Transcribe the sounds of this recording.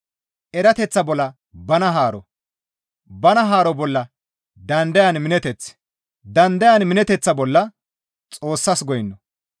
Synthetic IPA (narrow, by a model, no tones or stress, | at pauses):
ʔɛɾɐt̪ɛt͡sːɐbɔlːɐ | bɐnɐɦaːɾɔ | bɐnɐɦaːɾɔbɔlːɐ | d̪ɐnd̪ɐjɐnmɪnɛt̪ɛt͡sː | d̪ɐnd̪ɐjɐnmɪnɛt̪ɛt͡sːɐbɔlːɐ | t͡sʼo̞ːsːɐsɡɔjɪnːɔ